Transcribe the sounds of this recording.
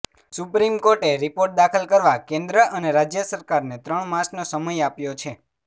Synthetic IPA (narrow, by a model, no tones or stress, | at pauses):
supɾimkoɾʈeɾipoɾʈ̚d̪akʰəlkəɾʋakẽnd̪ɾəʔəneɾad͡ʒjəsəɾkaɾnet̪ɾəɳmasnosəməjapjot͡ʃʰe